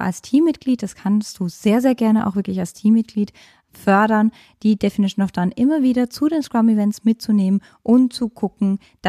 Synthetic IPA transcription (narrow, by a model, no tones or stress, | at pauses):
a̰lstʰiːmːɪtɡ̥liːt̚d̥askʰanstd̥uːz̥eːɐzeːɐɡɛɐnəʔa̰ʊxv̥ɪɐklɪçalstʰiːmːɪt̚ɡ̥liːt | fœɐɾɐn | d̥iːdefinɪʃonɔʊfd̥anʔɪmɐviːɾɐt͡sudeːnskɹ̥amivɛntsmɪtt͡suneːmən | ʔʊmt͡suɡʊkŋ̩ | d̥